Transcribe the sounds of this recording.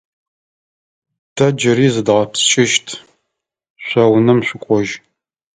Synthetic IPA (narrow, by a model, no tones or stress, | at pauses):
d̥ʰɐd͡ʒɪɾiːzɨdʁɐpsʃɪʃtʰ | ɕʷɐwnɨmɕʷʊkʷʼɔʒ